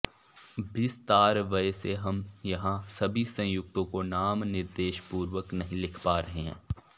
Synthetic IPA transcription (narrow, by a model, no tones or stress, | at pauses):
bɪst̪aːɾʋɐseɦɐmjɐɦãsɐbʱisɐ̃jʊk̚t̪õkonaːmnɪɾd̪eːʃpuːɾʋəknɐɦĩlɪkʰpaːɾɐɦeɦɛ̰̃ː